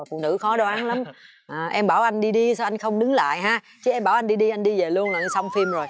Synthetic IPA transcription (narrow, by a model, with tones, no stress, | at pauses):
fṵ˧˨nɨ̰˧˥xɔ˨˦ɗɔ˧ʔaː˨˦nla˨˦m | ʔaː˨˩ʔɛ˧mɓaː˧˩wʔa˧jŋɗi˧ɗi˧sa˧wʔa˧jŋ̟xə˧wŋ͡mɗɨ˨˦ŋla̰ː˧˨jɦaː˧ | t͡ɕɨ˨˦ʔɛ˧mɓaː˧˩wʔa˧jnɗi˧ɗi˧ʔa˧jŋ̟ɗi˧ve˨˩lu˧ənlaː˨˩˧sə˧wŋ͡mfi˧mzo˨˩j